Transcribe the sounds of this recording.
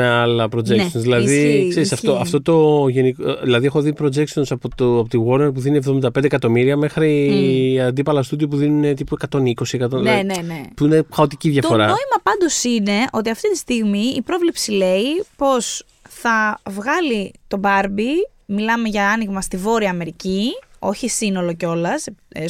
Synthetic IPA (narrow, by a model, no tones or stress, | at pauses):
meɐlɐpɾod͡ʒenssonszðilɐðikseɾisɐft̪oɐft̪o̞t̪o̞ʝe̞nikoilɐðiexo̞ðipɾo̞d͡ʒe̞ktsonsɐpot̪oɐpot̪iɣo̞ɾneɾp̬uðinievðomind̪ɐpend̪ekɐt̪o̞miɾiɐme̞xɾi | ɐnd̪ipɐlɐst̪uðiop̬uðinune̞t̪ipue̞kɐt̪o̞niko̞siekɐt̪onnenepuinexɐo̞t̪iciðʝɐft̪ooɾɐoimɐpɐnd̪o̞sine̞ʔo̞t̪iɐft̪it̪ist̪iɣmiːpɾo̞vlepsile̞ipo̞s | θɐvɣɐlit̪o̞bɐɾbi | milɐme̞ʝɐɐniɣmɐst̪ivo̞ɾiɐːme̞ɾicio̞çisino̞lo̞ceo̞lɐse